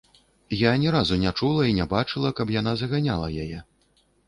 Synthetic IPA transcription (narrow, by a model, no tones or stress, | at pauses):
janʲɛɾazunʲat͡ʂulˠɐinʲɛbat͡ʂɨlˠɐkɐpjanazɐɣanʲa̰lˠɐjajɛ